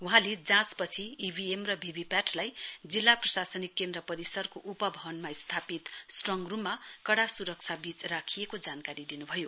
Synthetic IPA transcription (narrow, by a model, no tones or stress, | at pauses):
uɦãled͡zãspʌt͡sʰiibʱiemrʌbʱibʱipaʈʰlajd͡zilːaprʌsasʌnikːend̪rʌpʌɾisʌrkoʔupʌbʱʌbʌnmaist̪ʰapit̪sʈrʌŋɡrumːakʌɽasuɾʌk̚t͡sʰabit͡srakʰijekod͡zankaɾid̪inubʱʌjo